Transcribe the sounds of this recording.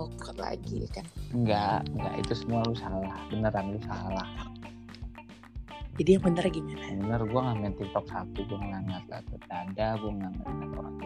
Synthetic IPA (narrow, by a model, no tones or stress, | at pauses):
okəla̰ɡḭkanŋɡaŋɡa̰ʔḭt̪usəmualusalahbənəɾanlusalah | d͡ʒadijaŋbənərɡimanabənərɡuaŋamant̪it̪ɔk̚sap̪uɡuamŋaŋɡat̪̚la̰t̪ut̪̚adaɡuaŋaŋɡaənat̪o̰ɾa̰ŋ